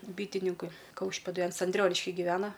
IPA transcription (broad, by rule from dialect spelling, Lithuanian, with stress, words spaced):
ˈbʲiːtʲɪnʲɪŋkʊɪ ˈkɐʊʃʲpʲeːdʊɪ ˈɐns ɐnʲˈdʲrʲoːnʲɪʃʲkʲɪ ɡʲɪˈʋʲæːnɐ